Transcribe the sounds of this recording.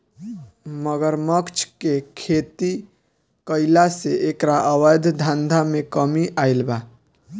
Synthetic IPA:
məɡəɾməkt͡ʃʰkekʰet̪i | kəɪlaseʔekɾaʔəwəjd̪ʱd̪ʱãnd̪ʱamekəmiʔailba

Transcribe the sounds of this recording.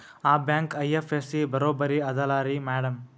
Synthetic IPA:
aːbaːŋkɐjefesibɐɾoːbɐɾiɐðɐlaːɾimeːɽɐm

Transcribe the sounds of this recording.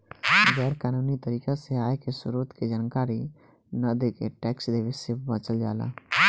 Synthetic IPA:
ɡɛːɾkaːnuːnit̪əɾiːkaseaːekesʊɾut̪ked͡ʒaːnəkaːɾi | nəd̪ekeʈɛːksd̪eʋesebə̃t͡ʃəld͡ʒa̰ːla̰

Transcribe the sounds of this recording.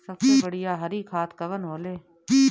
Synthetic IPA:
səkeːbəɽɪjaːɦəɾiːkʰaːt̪kəʋənɦoːleː

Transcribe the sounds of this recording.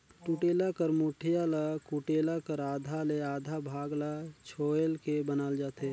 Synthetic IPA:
ʈuːʈeːlakəɾmuːʈʰɪjalakuʈeːlakəɾaːd̪ʱaleaːd̪ʱabʱaːɡlat͡ʃʰoːəlkebənaːld͡ʒaːt̪eː

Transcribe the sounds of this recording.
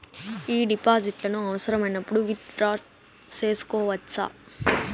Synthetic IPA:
iːɖɪpaːsɪʈːlɐnʊ̃ɐʋɐsɐɾɐmɛnːɐpːɐɽuʋit̪ɾaː | seːskoːʋɐtːsa̰ː

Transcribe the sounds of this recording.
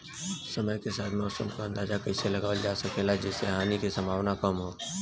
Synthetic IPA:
sɐməjkesaːt̪ʰmɔːsəmkoɐ̃nd̪aːd͡ʒakɐɪselɐɡaːʋəld͡ʒaːsɐkelad͡ʒɛːseɦaːnikisɐmbʱaːwnakɐmɦoː

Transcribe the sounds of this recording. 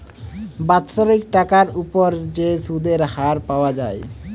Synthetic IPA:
bat̪ʃoɾik̚ʈakaɾupoɾd͡ʑesud̪ʱeɾhaɾpaoad͡ʑae

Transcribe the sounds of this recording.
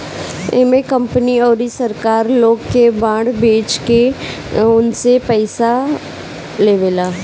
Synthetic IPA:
eːmekə̃mpniɔːɾisəɾkaːɾloːɡkebãːɽbeːt͡ʃke | ʊnsepɛːɪsa | leːʋeːlaː

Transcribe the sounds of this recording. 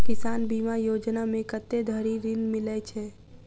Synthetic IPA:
kɪsaːnbimajoːd͡ʒnamẽkət̪ːed̪ʱəɾiɾinmɪlɛt͡ʃʰɛ

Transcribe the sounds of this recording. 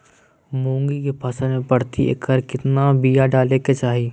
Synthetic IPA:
mõːŋɡikepʰasamẽpɐɽ̤t̪iʔḛkːəɾkɪt̪nabijaɖaːleket͡ʃaːɦiː

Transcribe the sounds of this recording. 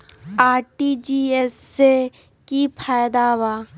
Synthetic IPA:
aːɾʈid͡ʒiːese | kipʰaːjd̪aːwa

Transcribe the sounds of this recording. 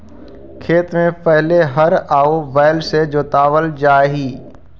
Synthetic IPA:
kʰeːt̪mẽpɛɦleɦɐɾaːobɛːlsed͡ʒoːt̪aːʋəld͡ʒaːɦiː

